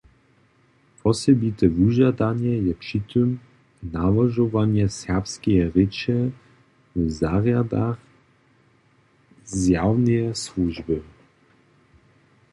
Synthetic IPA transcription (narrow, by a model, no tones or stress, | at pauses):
pʰɔsɛbit̪ɛvuʒad̪anjɛjɛpʂit̪ʰøm | navaʒɔvanjɛsɛʁpskɛjɛʁɪt͡ʃɛ | vɛzaʁjad̪ax | zjawnɛɛsluʒbə